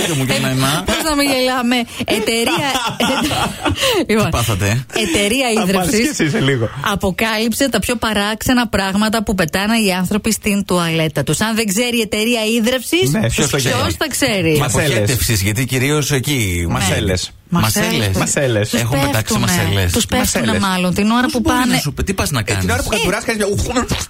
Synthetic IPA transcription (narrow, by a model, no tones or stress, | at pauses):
ɾomukɐnɐnɐpoznɐmiʝelɐme̞ːt̪e̞ɾiɐ | liponpɐθɐt̪eet̪e̞ɾiɐiðɾɐfsisiseliɣoɐpo̞kɐlipset̪ɐpço̞pɐɾɐksenɐpɾɐɣmɐt̪ɐpupe̞t̪ɐnɐiɐnθɾo̞pist̪ind̪uɐle̞t̪ɐt̪usɐnðeŋɡze̞ɾie̞t̪e̞ɾiɐiðɾɐfsissepçosɐosθɐkse̞ɾiɐoesfsizʝɐt̪iciɾio̞secimɐneles | mɐmɐselesɐselesexumpet̪ɐksuimɐnelḛst̪uspefunemɐlo̞nt̪ino̞ɾɐpuɐnesupt̪ipɐznɐkɐninoɾɐpukɐuɾɐskɐnizɐuum